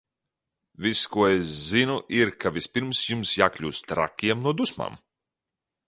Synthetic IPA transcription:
viskuɔeszinuʔiɾkavʲispʲiɾmsjumsjaːklʲuːst̪ɾa̰kʲːiɛmnuɔd̪usma̰ːm

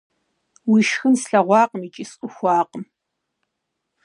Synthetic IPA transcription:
wiːʃxɨnsɬɐʁʷɑːqəmiːt͡ʃʼisʼʊxʷɑːqʼəm

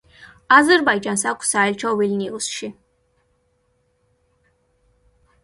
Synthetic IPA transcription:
azərbajd͡ʒansakʷʰʼsaːjlt͡ʃʰawilnilsʃi

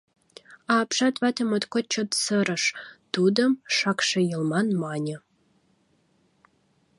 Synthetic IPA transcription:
ɑːpʃɑt̪vɑt̪əmət̪kot͡ɕːot̪səɾə̆ʃt̪ud̪əmʃɑkʃejəlˠmɑnmɑnʲə

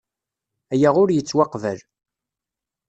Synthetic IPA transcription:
æjaʁʊɾjət͡sːwɑqvæl

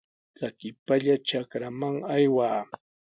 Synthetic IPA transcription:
t͡sakɪpaʎat͡ʃakɾamaŋajwaː

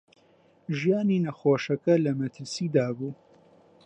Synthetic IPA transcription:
ʒijaːninɐxoːʃɐkɐlɐmɐt̪ʰɨɾsiːd̪aːbuː

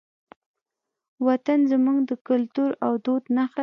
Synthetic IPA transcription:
wat̪anzəmuŋɡd̪əkʊlt̪uɾawd̪od̪naxa

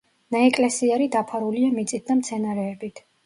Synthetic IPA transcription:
naɛkʼlɛsiaɾid̪apʰaɾuliamit̪sʼit̪̚d̪amt̪sʰɛnaɾɛːbit̪ʰ

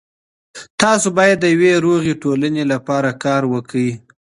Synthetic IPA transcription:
t̪ɑsobɑjad̪ːəjaweɾoɣeʈolanelapɑɾakɑɾwəkəwi

